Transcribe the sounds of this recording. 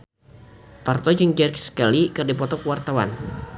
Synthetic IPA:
part̪ɔd͡ʒəŋd͡ʒɛrkskalikɨrdipɔt̪ɔkəwart̪awa̰n

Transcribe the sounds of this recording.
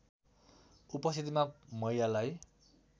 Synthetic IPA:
upʌst̪it̪imamʌijalaj

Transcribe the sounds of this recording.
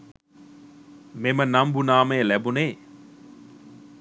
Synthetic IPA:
memənambunaːmeːlæbuneː

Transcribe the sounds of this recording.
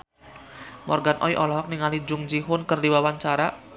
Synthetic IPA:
mɔrɡanʔɔ̰jʔɔlɔɦɔk̚niŋalid͡ʒʊŋd͡ʒiɦʊnkərdiwawaɲt͡ʃaɾa

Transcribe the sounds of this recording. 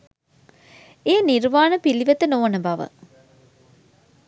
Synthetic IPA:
eːniɾʋaːnəpiliʋɐt̪ənoːnəbɐʋə̰

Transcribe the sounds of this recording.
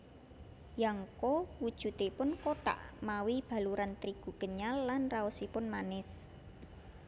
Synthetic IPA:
jaŋkowud̥ʒ̥ṳt̪epʊnkoʈa̰ʔmawib̥ä̤luɾant̪ɾiɡ̥ṳɡ̥əɲalːanraʊsipʊnmanɪs

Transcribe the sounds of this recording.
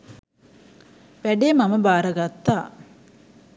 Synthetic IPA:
ʋæɖeːmaməbaːɾəɡat̪ːaː

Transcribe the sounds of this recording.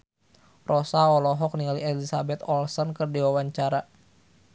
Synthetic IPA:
rʔɔsaɔlɔɦɔk̚nialiɛlisabɛt̪ɔlsɔnkɨrdiwawaɲt͡ʃaɾa

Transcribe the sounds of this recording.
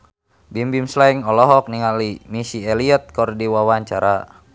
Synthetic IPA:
bimbimslaiŋɔlɔɦɔk̚niŋalimisieliɛt̪̚kɔrdiwawaɲt͡ʃaɾa

